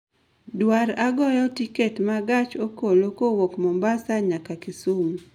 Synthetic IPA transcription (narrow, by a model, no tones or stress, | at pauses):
dwaɾaɡɔjɔtiketmaɡat͡ʃokolokowokmɔmbasaɲakakɪsum